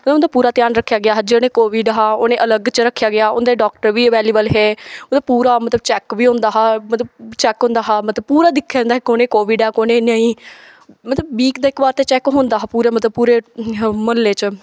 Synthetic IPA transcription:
onẽːmət̪əbpuːɾaːt̪jaːnɾəkʰːjaːɡɪjaːɦd͡ʒeneːkoːʋɪːɖɦaːoːnẽːʔələɡt͡ʃɾəkʰːjaːɡɪaːʊ̰nd̪eːɖɔːk̚ʈəɾʋiːʋɛːliːbəlɦɛːəbpuːɾaːmət̪ləbt͡ʃɛːkʋiːɦõːnd̪aːɦaːmət̪ləbt͡ʃɛːkɦõːnd̪aːɦaːmət̪ləb̚puːɾaːd̪ɪkʰːjaːnd̪aːɦekoːnẽːkoːʋɪːɖɛːkoːnẽːnəĩː | mət̪ləbbiːkd̪aːɪkʋaːɾt̪eːt͡ʃɛːkɦõːnd̪aːɦːpuːɾeːmət̪ləb̚puːɾeːməlːeːt͡ʃ

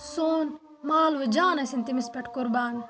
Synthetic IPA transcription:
soːn | maːlʋɐd͡ʒaːnɐsint̪imispɐʈkʊɾbaːn

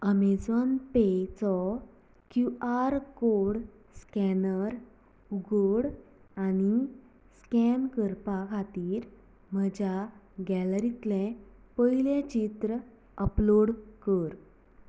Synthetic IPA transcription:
əmed͡zɔnpet͡sɔ | kjuaɾkoɾɽ | skɛnəɾ | uɡoɽ | añi | skɛnkəɾpakʰat̪iːɾ | məd͡ʑjaɡɛləɾit̪lɛ̃pəiljẽt͡ɕit̪ɾə | əploɽkəɾ

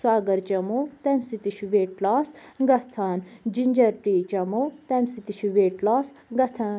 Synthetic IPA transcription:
swaːɡɐɾt͡ʃɐmot̪emsit̪iʃuʋeːʈlaːsɡɐt͡sʰaːnd͡ʒiɲd͡ʒɐɾʈiːt͡ʃɐmoːt̪emsit̪iʃuʋeːʈlaːs | ɡɐt͡sʰaː

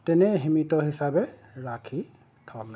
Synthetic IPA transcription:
tɛnɛɦimitɔɦisabɛ | ɹakʰi | tʰɔla

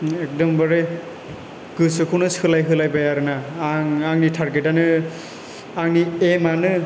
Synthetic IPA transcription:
ek̚dɔmbaɾe | ɡ̥ɯsɯkʰɯnɯsʰɯlajɦɯlajbajaɾɯnaŋaŋnitʰaɾɡetanɯ | aŋniemanɯ

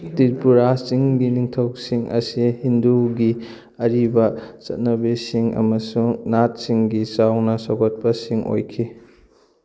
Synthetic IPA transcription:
tiɾpuɾasiŋɡiniŋtʰɐwsiŋɐ̰sihinduɡi | ɐɾibɐt͡ʃɐ̰t̚nɐbesiŋɐ̰mɐsuŋnat̚siŋɡisawnɐsoɡɔt̚pɐsiŋo̰jkʰi

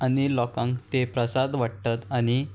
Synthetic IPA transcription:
anilɔkãŋkt̪epɾəsad̪ʋaʈt̪at̪aɽ̃i

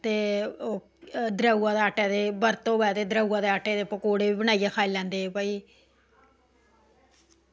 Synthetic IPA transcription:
t̪eːo | d̪ɾəuːãːd̪eːaʈeːd̪eːbəɾt̪õːbɛːd̪eːd̪ɾəuãːd̪eːaʈeːd̪eːpəkoːɽeːbiːbənaːijaːkʰaːilɛ̃ːnd̪eːpaːiː

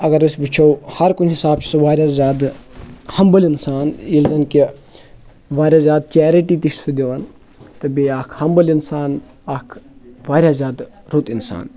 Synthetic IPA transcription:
ɐɡɐɾɨsʲʋit͡ʃʰɐwhɐɾkunɦisaːb̚t͡ʃʰi̥sɐʋaːɾʲaːzʲaːd̪hɐmbɐlinsaːnilzɐnki | ʋaːɾʲjaːzʲaːd̪̚t͡ʃɛːɾiʈiːt̪iʃsud̪ʲeʋɐn | t̪ɨbeaːkʰhɐmbɐlinsaːn | aːkʰʋaːɾʲjaːzʲjaːd̪ | ɾut̪insa̰ːn

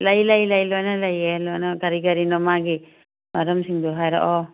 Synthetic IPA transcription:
lajlajlajlɔjnalajɛlɔjnɔɡaɾiɡaɾinɔmaɡi | maɾɔmsiŋd̪uɦajɾɔ̰ʔɔ

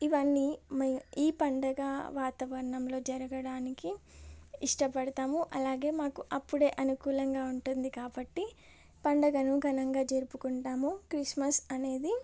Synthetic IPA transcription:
iʋɐnːimɐiːpɐɳɖɐɡɐʋaːt̪aːʋɐɾɳɐmlo̞ːd͡ʒɐɾɐɡɐɽaːniki | iʂʈɐpɐɽɐt̪aːmuʔɐlaːɡe̞ːmaːkuʔɐpːuɽe̞ːʔɐnukuːlɐŋɡaːuɳʈund̪ikaːbɐʈːi | pɐɳɖɐɡɐnuɡʱɐnɐŋɡaːd͡ʒeːɾupukuɳʈaːmukɾismɐsɐne̞ːd̪i

